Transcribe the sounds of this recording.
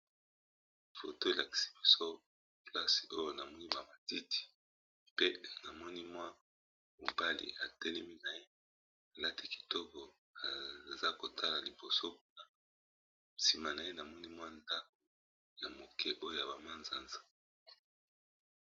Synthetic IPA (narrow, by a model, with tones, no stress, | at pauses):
fo̰˨to˦e˨la˨ki̥˨si̥˨bi˨so˦ | pla˦si̥˨o˦jo˦na˨mɔ˦ni˦ba˨ma˨ti˦ti̥˨ | pe˦na˨mɔ˦ni˦mwa˦ | mo̰˨ba˦lḭ˨a˨tɛ˦lɛ˦mi˦na˨je˦ | a˨la˦ti˦ki̥˨to˦bo˨ | a˨za˦ko˨tʰa˦la˨li˨bo˨so˦ku˦na˦ | si˨ma˨na˨je˦na˨mɔ˦ni˦mwa˦nda˦k̚o˨ | ja˨mo˨kʰɛ˦ʔo˦jo˦ja˨ba˨ma˦nza˨nzḁ˦